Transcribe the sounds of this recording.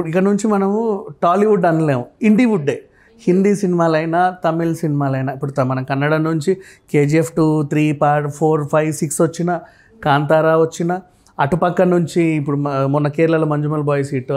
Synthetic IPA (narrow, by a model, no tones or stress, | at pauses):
ikːɐnuɲt͡ʃimɐnɐmuʈaːliʋuɖɐnle̞ːʋuiɳɖiʋuɖːeː | hind̪iːsinimaːlɐjnat̪ɐmːilsinimaːlɐjnaipːuɽut̪ɐmɐnɐkɐnːɐɽaːnuɲt͡ʃikeːd͡ʒiepʰʈuːt̪ʰɾiːpaːɾʈpʰoːɾpʰɐjʋsiksʋɐt͡ʃːinɐ | kaːnt̪aːɾaːʋɐt͡ʃːinɐ | ɐʈupɐkːɐnuɲt͡ʃiːpːuɽumɔnːɐkɛːɾlɐloːmɐɲd͡ʒumɐlbɔːjsiːʈ